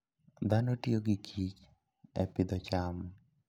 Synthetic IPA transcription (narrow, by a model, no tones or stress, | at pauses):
d̪anotioɡɪkʰit͡ʃ | ɛ̰pɪd̪ɔt͡ʃam